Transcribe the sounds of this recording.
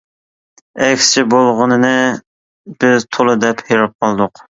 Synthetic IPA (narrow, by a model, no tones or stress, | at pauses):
ɛkʲst͡ʃʰɪbolˠʁənɨnɨ | b̥ɪzt̪ʰolˠɨd̪ɛpheɾɨp̚qʰɑlˠd̪ʊq